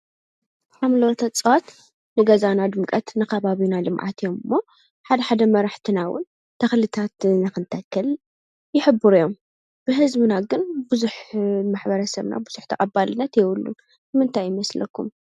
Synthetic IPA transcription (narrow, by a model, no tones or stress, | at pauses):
ħamlowt̪ʰɐt͡sʼɨwat̪ | nɨɡɐzanad̪ɨmkʼɐt̪nɨkʰɐβaβinalɨmʕa̰t̪ʰijomɨmːo | ħad̪ɐħad̪ɐmɐɾaħt̪ʰɨnawʊ̰n | t̪ʰɐxlɨt̪ʰat̪naxɨnt̪ʰɐkʰːɐl | jɪħɨbːɨɾujom | b̥ɨɦɨzbɨnaɡɨnbɨzuħmaħbɐɾɐsɐ̰βna̰bɨz̥uħt̪ʰɐkʼɐbːalɨnːɐt̪jɛwʊlːṵ | bɨmɨnt̪ʰajjɪmɐslɐ̰kʰːṵm